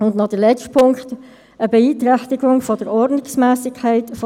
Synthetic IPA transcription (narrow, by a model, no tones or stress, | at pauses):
ʊndnɑdəlɛt͡ʃtpʰʊŋkχt | əbɛiːt̪ɾæçtɪɡʊŋfɔd̥əɾɔrdnɪksmɛːsɪkʰːæɪtf